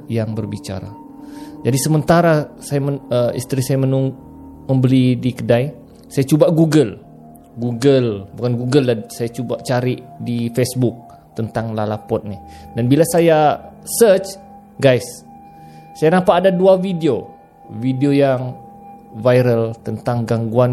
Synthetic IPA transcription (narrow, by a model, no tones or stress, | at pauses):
jaŋbərbit͡ʃa̰ɾa̰ | d͡ʒadisəmənt̪aɾasajaməəḭst̪ɾisajamənuŋ | məmbəlidikədaj | sajat͡ʃubaɡuɡəl | ɡuɡəlbukanɡuɡəlːasajat͡ʃubat͡ʃaɾiʔdifesbʊk̚ | t̪ənt̪aŋlalapɔt̪̚nɪhdanbilasajasət͡ʃ | ɡajsː | ajanapaːdaduavidio | vidiojaŋ | vajɾəlt̪ənt̪aŋɡaŋɡuan